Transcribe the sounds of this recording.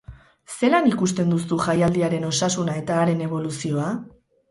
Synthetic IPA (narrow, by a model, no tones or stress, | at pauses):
se̞lanikust̪e̞nd̪usuʝajald̪iaɾe̞no̞sasunae̞t̪aːɾe̞ne̞β̞o̞lusio̞a